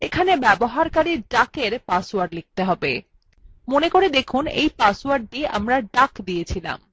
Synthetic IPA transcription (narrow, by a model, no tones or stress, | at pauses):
ekʰanebɛboɦaɾkaɾiɾɖakeɾpaswaɾlik̚t̪eɦɔbe | monekoɾed̪ekʰunḛjpaswaɾɖʈia̰mɾaɖakd̪ijet͡ɕʰila̰m